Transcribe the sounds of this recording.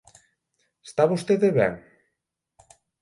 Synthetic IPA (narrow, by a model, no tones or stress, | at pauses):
est̪aβost̪eðeβɛ̰ŋ